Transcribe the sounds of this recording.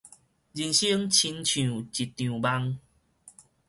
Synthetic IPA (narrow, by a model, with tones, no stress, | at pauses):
d͡ʑi˨˩nɕi˦əŋt͡ɕʰi˧nt͡ɕʰjũ˨t͡ɕi˨t̚t̪ːjũ˨˩ba˧ŋ